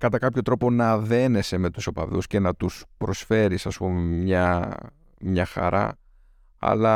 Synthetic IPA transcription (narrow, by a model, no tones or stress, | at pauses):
kɐt̪ɐkɐpço̞t̪ɾo̞po̞nɐðe̞ne̞se̞me̞t̪u̥sopɐðṵsce̞nɐt̪uspɾo̞sfe̞ɾisɐspumimɲɐ | mɲɐxɐ̰ɾɐ̰ | ɐ̰lɐ